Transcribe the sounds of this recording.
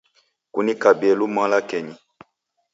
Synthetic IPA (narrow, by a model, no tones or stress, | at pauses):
kṵnikabiɛlumãlakɛɲi